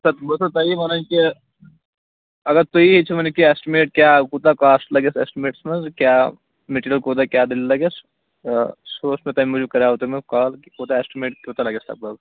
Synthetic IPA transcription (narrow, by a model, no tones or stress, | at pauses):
sɐt̪bɐsɐt̪ɐimɐnɐnki | ɐɡɐɾt̪uiɦit͡ʃʰimɐnekiesʈimeːʈ̚kʲjaːkut̪akaːsʈlɐɡesḛːsʈimeːʈsmɐnzkjaː | meʈiɾijəlkoːt̪̬akʲjaːd̪illɐɡes | soːsmẽt̪ɐmimud͡ʒukɐɾaːot̪emɐkaːlkikoːt̪aesʈimeːʈkʲoːt̪alɐɡesɐ̰k̚bɐɡ